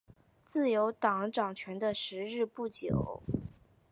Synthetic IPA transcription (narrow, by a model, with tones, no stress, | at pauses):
t͡sɹ̩˥˩jo˧˥ʊt̪ɑ˨˩ŋʈ͡ʂɑ˨˩ŋt͡ɕʰɥɛ˧˥nd̪ə˧ʂɻ̩˧˥ɻɻ̩˥˧pu˥˩t͡ɕjo̰˨˩ʊ